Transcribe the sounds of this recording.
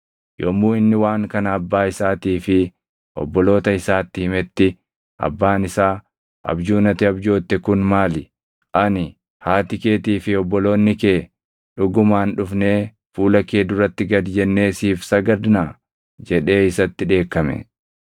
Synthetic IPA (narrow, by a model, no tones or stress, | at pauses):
joːmːuːɪnːɪwaːŋkɐnɐːbːaːɪsaːt̪iːfɪ | ʔɔ̰bːɔlo̞ːt̪ɐɪsaːt̪ːɪhɪmɛt̪ːɪ | ʔɐ̰bːaːnɪsaː | ʔɐ̰bd͡ʒuːnɐt̪ɪɐbd͡ʒo̞ːt̪ːɛkʊnmaːlɪ | ʔɐnɪ | haːt̪ɪke̞ːt̪iːfɪɔbːɔlo̞ːnːɪkeː | ᶑʊɡʊmaːnᶑʊfne̞ː | fuːlɐkːe̞ːd̪ʊrːɐt̪ːɪɡɐd̪d͡ʒɛnːe̞ːsiːfsɐɡɐd̪naː | d͡ʒɛᶑe̞ːɪsɐt̪ːɪᶑe̞ːkːɐmɛ̰